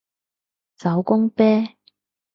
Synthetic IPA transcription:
t͡sɐ˨˥wkʊ˥ŋpɛː˥

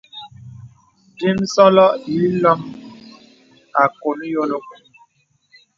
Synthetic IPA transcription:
di˦m˦sɔ˦lɔ˦ʔi˨˦lɔ˦m | a˨ko˨n˦jo˦lo˦˨

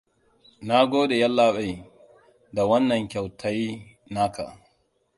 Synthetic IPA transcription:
na˦ɡoː˦de˨jɐ˦lːa˦ɓa˨j | da˨wɐ˦nːɐ˨ŋkʲa˨wtʰa˦j | na˦ka̰˨

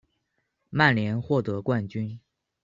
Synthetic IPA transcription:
ma˥˩nljɛ˧˥nxwɔ˥˩t̪ɤ˧˥kwa˥˩nt͡ɕy˥n

